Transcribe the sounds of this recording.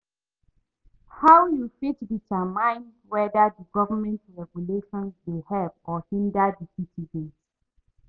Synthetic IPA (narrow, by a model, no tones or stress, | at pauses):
hawjufitditamãɪ̃ndwɛdədəɡɔvəmɛ̃ntɹɛɡjuleʃɔ̃nsmehɛvɔhĩndadisitʰiɡet